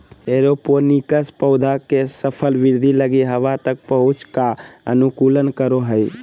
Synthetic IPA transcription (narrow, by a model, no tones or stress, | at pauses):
eɾoponikəspəʊd̪ʱakesəpʰəlʋiɾd̪ʱiləɡiɦəʋat̪ək̚pəɦut͡ʃkaənukulənkəɾoɦəj